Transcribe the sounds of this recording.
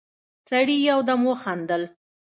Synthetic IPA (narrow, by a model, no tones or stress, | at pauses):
saɽijawd̪amwəxand̪əl